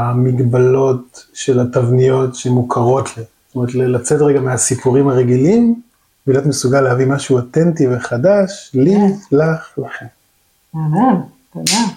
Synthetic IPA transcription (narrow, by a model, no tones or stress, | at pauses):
amiɡbalo̞tʃe̞latavnijo̞tʃeemːukʰaʁo̞tli̥ | t̪ome̞etlelat͡setʁeɡameasipuʁimhaʁeɡilim | bilotmesuɡalehavimaʃuotentiveχadaʃlilaχlaχen | ana | ana